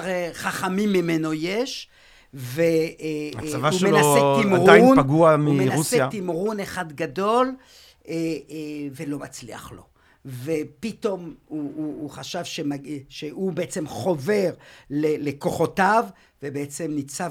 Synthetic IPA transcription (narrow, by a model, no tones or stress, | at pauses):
ʁeχaχamimːimeno̞jeʃ | ve | vauʃmeasetimʁujnaɡuamuimenausejat̪imʁuneχad̪ɡad̪o̞l | e | velo̞mat͡slḭa̰χlo̞ | vepit̪o̞muːχaʃavʃemaʃeubeʔet͡semχo̞veʁleleko̞χo̞tav | vebeet͡semnit͡sa